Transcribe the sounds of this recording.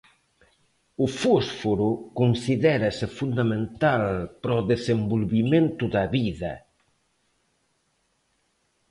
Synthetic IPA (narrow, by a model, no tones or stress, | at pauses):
ʊfusfoɾʊkonsiðɛɾɐsɪfund̪amẽnt̪alpɾɔðesembolβimẽnt̪ʊðɐβiðɐ̰